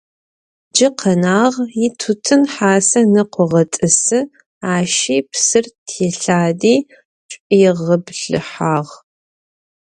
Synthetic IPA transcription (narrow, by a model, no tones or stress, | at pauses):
d͡ʒɪqʰɐnaːʁjɪtʰʊtʰɨnħaːsɐnɨqʷʊʁɐtʼɨsɨ | aːʃiːpsɨrtʰɛɬaːdiː | t͡ʃʷʼjɪʁɐbɬɨ̰ħaːʁ